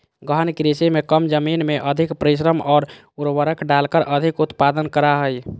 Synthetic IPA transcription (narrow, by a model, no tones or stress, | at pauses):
ɡəɦənkɾisemekəmd͡ʒəminmeʔəd̪ʱikpɾiʃ̬ɾəmɔːɾ | uɾʋəɾəkɖalkəɾʔəd̪ʱikut̪pad̪ənkəɾaɦəj